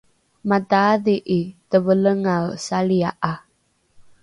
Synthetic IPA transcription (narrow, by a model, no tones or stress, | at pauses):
mataaðiʔitəvələŋawsaliaʔa